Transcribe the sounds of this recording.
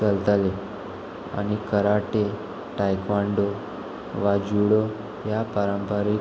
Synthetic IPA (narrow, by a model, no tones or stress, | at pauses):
t͡səlt̪ale | a̰ɽ̃ikəɾaʈe | ʈajkʋaɳɖo | ʋad͡ʑuɽo | japaɾəmpəɾi